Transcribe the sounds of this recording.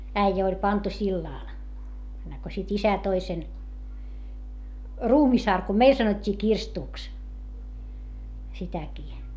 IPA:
æijæ olʲ pɑntu silːɑˑl enːeŋko sit isæ toi sen ruːmisɑrkum meil sɑnotʲːiː kirstuˑks sitækiː

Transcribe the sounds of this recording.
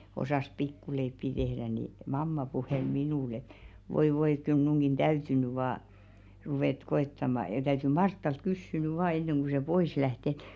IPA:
osɑˑs pikːuleipːi tehɾæ ni mɑmːɑ puheˑl minuˑl et ʋoi ʋoi ĕt̆ kyl mnuŋɡ̊in d̥æyty ny ʋɑː ruʋeˑt koetːɑmɑ jɑ tæyty mɑrtːɑlt kysːy ny ʋɑː enːeŋ ku se pois læht ĕt

